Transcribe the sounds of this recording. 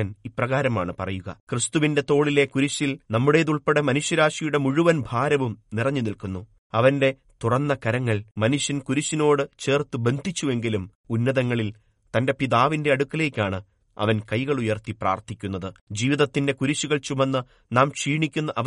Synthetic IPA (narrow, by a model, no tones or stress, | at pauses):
ɐniprɐɣaːɾɐmaːɳɨpɐrɐjuɣɐ̰krɨst̪uʋinde̞t̪o̞ːɭile̞kuɾuɕilnɐmːuɽe̞ːðuɭpeɽɐmɐnuɕjɐɾaːʂijuɽe̞muɻuʋɐnbʱaːɾɐʋumnirɐɲːunilkunːu | ɐʋɐnde̞ | t̪urɐnːɐkɐɾɐŋːɐɭmɐnuɕjɐnkuɾuɕino̞ːɽɨt͡ɕe̞ːrt̪ɨbe̞nd̪ʱit͡ɕːue̞ŋɡilum | unːɐðɐŋːɐɭil | t̪ɐnde̞piðaːʋinde̞ɐɽukːɐle̞ːkʲːaːɳɨ | ɐ̰ʋɐnkɐjɣɐɭujɐrt̪ipra̰ːrt̪ʰikʲːunːɐðɨd͡ʑiːʋiðɐt̪ːinde̞kuɾuɕuɣɐɭt͡ɕumɐnːɨ | naːmʂiːɳikʲːunːɐʔɐ